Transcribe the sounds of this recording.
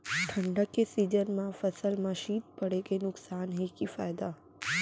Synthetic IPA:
ʈʰəɳɖəkːesiːd͡ʒənmãfəsəlmãʃiːt̪̚pəɽekenʊksaːnɦekifaːjd̪a

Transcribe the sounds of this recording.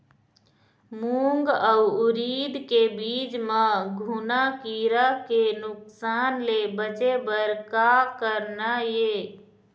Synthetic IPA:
muŋɡəuuɾid̪kebid͡ʒmeɡʱunakiɾakenuksanlebət͡ʃebəɾkakəɾnaje

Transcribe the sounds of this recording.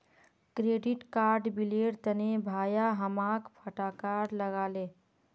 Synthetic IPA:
kɾeɖiʈkaɾɖbileɽt̪ənebʱaːjaɦəmakpʰəʈakaɾɾləɡalẽ

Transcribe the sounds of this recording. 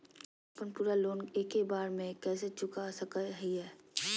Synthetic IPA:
əpənpuːɾaloːneːkebaːɾmẽkɛːset͡ʃʊkasɐkəɦiɦɛː

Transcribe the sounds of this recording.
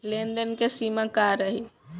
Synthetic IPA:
lend̪ənkesimakaɾəɦi

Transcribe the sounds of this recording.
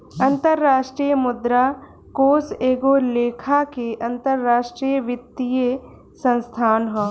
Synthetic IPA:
ɐ̃nt̪əɾːaːʃʈɾiːjəmʊd̪ɾa | koːseːɡoleːkʰakeʔɐ̃nt̪əɾːaːʃʈɾijəʋɪt̪ːije | sə̃nst̪ʰaːnɦɛ̃ː

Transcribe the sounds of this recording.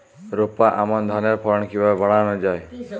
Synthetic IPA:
ɾopaʔamɔnd̪ʱaneɾpʰɔɾɔɳɔkʰibaebʱɔɽ̃aɽ̃ɔd͡ʒae

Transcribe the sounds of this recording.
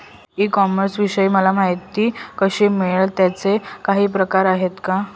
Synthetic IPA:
iːkɔməɾsʋiɕəiːməlam̤aɦjt̪ːiːkəɕiːmeɭt̪jat͡sekaɦiːpɾəkaɾaɦet̪ka

